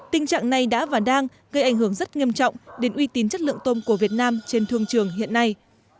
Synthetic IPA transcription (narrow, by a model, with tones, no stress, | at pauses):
t̪ï˧ŋ̟t͡ɕa̰ː˧˨ŋna˨˩jɗa̰ː˧˥vaː˨˩ɗaː˧ŋ | ɣə˧jʔa˧˩jŋ̟ɦɨ˧˩əŋzə˦˥t̚ŋi˧əmt͡ɕɔ̰˧˨wŋ͡mɗe˨˦nʔwi˧t̪i˨˦nt͡ɕə˦˥t̚lɨ̰˧˨əŋt̪o˧mku˧˩əvi˨˩ət̚naː˧mt͡ɕe˧nt̪ʰɨ˧əŋt͡ɕɨ˨˧˩əŋɦḭ˧˨ənːa˧j